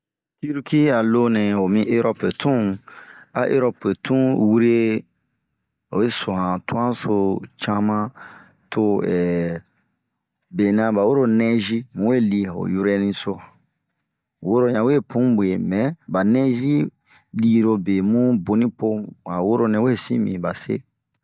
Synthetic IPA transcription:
ki˦ɾu˦ki˦a˨lo˧nɛ̃˨o˨mĩ˧˦ʔe˦ɾɔ˦pe˨tʰũ˦ | a̰˨˦ʔe˦ɾɔ˦pe˨tʰũ˦wu˦ɾe˦ | o̰˨we˦so˨hã˨tu˦ã˦so˧t͡ʃa˦mã˦ | tʰo˧ɛː˨ | be˨nã˧ba˨wo˦ɾo˦nɛ̃˦zi˦mũ˨we˦˨li˧ho̰˨ju˦ɾɛ˦nĩ˧so˧ã˨ | wo˦ɾo˦ɲã˨we˦˨pũ˦be˨mɛ̃˨˦ba˨nɛ̃˦zi˦ | li˦ɾo˧be˨mũ˦bo˨nĩ˦po˦a˨wo˦ɾo˦nɛ̃˨we˦sḭ̃˦mḭ̃˨ba˨sḛ˦

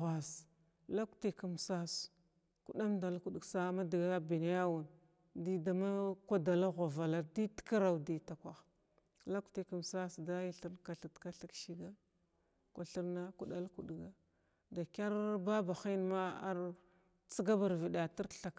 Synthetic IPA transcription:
ɣʷa˨s | la˦kti˨ka˨msa˦s | ku˦ɗa˦mda˨lku˨ɗsa˦ma˦di˨ɡa˦bi˨na˦ja˦wu˨n | di˦da˨ma˦kʷa˦da˨la˦ɣʷa˨va˨la˨di˦tka˦ɾa˨wdi˦ta˨kʷa˨x | la˦kti˨ka˨m˨sa˦sda˦ji˦ɬi˦ɾnka˨ɬi˨tka˦ɬi˦kʃi˦ɡa˦ | kʷa˨ɬi˦ɾna˦ku˦ɗa˦lku˨ɗɡa˦ | da˨kʲa˦ɾba˦ba˨xi˦n˦ma˦a˦ɾ | t͡si˦ɡa˦ba˨ɾvi˨ɗa˨ti˦ɾɬa˨k

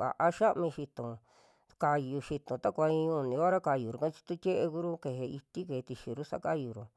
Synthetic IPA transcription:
βa̰˨ʔa˦ʃa˦ʔmĩ˧ʃi˧t̪õ˨ | ka˧ju˧ʃi˧t̪õ˨t̪a˦kʷa˧ĩ˧ũ˧˨nĩ˧a˦ɾa˦ka˧ju˨ɾu˨˧kã˦t͡ʃi̥˧t̪u˦t̪ʲe˦ʔe˧ku˧˦ɾu˦ke˧ɦe˧i˧t̪i˦ke˨˧t̪i˧ʃi˧ɾu˦sa̰˧˦ka˦ju˨ɾo˨

